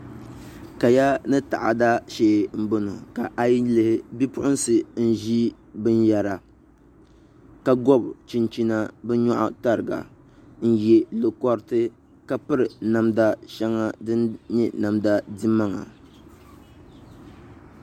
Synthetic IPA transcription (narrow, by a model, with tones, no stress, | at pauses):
ka˨ja˦nɨ˦ta̰˨ʔa˨da˦ʃeː˦m̩˦bo˦nu˨ka˨ʔa˨ji˦lɨ˨hɪ˨bi˦pʊ˦ʔʊ˦nsɨ˨n̩˦ʒi˦ | bɨ˦n˦ja˨ɾa˨ | ka˨ɡɔ˦˨bt͡ʃi˦nt͡ʃi˦na˦bɛ˦ɲɔ˦ʔʊ̰˦ta˦ɾɨ˨ɡa̰˨ | n̩˦je˦lo˨kɔ˦ɾtɨ˦ | ka˦pɨ˦ɾɨ˨na˨mda˦ʃɛ˦ŋa˦dɨ˦nɲɛ˦na˨mda˦di˦mːa˦ŋa̰˨